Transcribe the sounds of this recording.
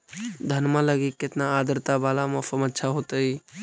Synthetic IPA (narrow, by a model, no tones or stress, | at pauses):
d̪ʱənmãləɡikːɪt̪naaːd̪əɾt̪abaːlamãsəmətːʃʰaɦot̪əi